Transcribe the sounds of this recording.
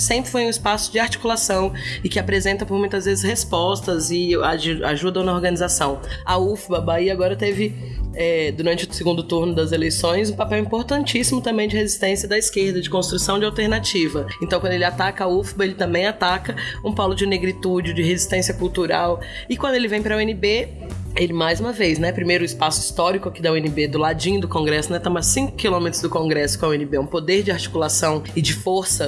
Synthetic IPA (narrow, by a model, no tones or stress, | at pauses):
sẽmpɾɪfojũɪspasʊ̥d͡ʒɪaɾt͡ʃi̥kulasɐ̃w̃ɪkɪapɾezẽnt̪ɐpoɾmũj̃t̪ɐzvezɪshespɔst̪ɐzɪaaʒud̪ɐ̃w̃nɐoɾɡɐ̃nizasɐ̃w̃aufbɐbaiaɡɔɾɐt̪evɪ | ɛd̪uɾɐ̃nt͡ʃɪʊsɪɡũnd̪ʊt̪uɾnʊd̪ɐzelejsõj̃zũpapɛwĩpoɾt̪ɐ̃nt͡ʃisimʊt̪ɐ̃mbẽj̃d͡ʒɪhezist̪ẽsijɐd̪ɐiskeɾd̪ɐd͡ʒɪkõst̪ɾusɐ̃w̃d͡ʒɪawt̪eɾnat͡ʃivɐẽnt̪ɐ̃w̃kwɐ̃d̪elɪat̪akɐaufbɐelɪt̪ɐ̃mbẽj̃at̪akɐũpɔlʊd͡ʒɪneɡɾit̪ud͡ʒɪd͡ʒɪɦezist̪ẽsiɐkuwt̪uɾa̰w | ɪkwɐ̃nd̪ʊelɪvẽj̃pɾɐwẽnɪbe | elɪmajzũmɐvejznɛpɾimejɾʊispasʊist̪ɔɾikʊakid̪ɐwẽnɪbed̪ʊlad͡ʒĩd̪ʊkõŋɡɾɛsʊnɛt̪ɐ̃massĩkʊ̥kilõmet̪ɾʊzd̪ʊkõŋɡɾɛsʊkõawẽnɪbeɛũpod̪eɾd͡ʒɪaɾt͡ʃi̥kulasɐ̃w̃ɪd͡ʒɪfoɾsɐ